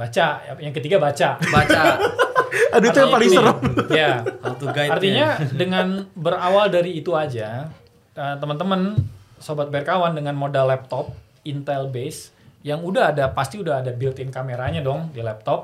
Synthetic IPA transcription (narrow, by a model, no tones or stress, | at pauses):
bat͡ʃajaŋkət̪iɡabat͡ʃabat͡ʃa | adait̪ujaŋpalɪŋsəɾəmjat̪uɡaart̪iɲadəŋanbəɾawaldaɾiːt̪uad͡ʒa | ət̪əmənt̪əmənsobat̪̚bɛrkawandəŋanmodalːɛp̚t̪ɔp̚ | int̪ɛlbes | jaŋudaɦadapast̪iudaɦːdabilt̪ɪnkameɾaɲadɔŋdilɛp̚t̪ɔp̚